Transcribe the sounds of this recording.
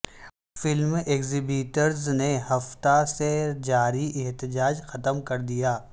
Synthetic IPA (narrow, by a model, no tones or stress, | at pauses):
fɪlmeːkzibiːʈəɾzneɦɐft̪ased͡ʒaːɾiʔɛɦt̪ɪd͡ʒaːd͡ʒxɐt̪əmkɐɾd̪ijaː